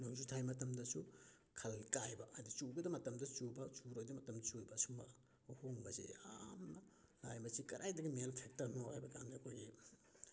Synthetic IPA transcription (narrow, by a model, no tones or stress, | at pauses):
nuŋzutʰajmɐtɐmdɐsu | kʰɐlkajbɐʔɐdit͡ʃuɡɐdɐmɐtɐmdɐt͡ʃubɐt͡ʃuɾojdɐmɐtɐmdɐt͡ʃujbɐːsumɐ̰ | hoŋbɐzḛa̰mnɐ | lajmɐsikɐɾʔajdɐɡimelpʰek̚tɐɾnohajbɐɡamdɐkʰojɡi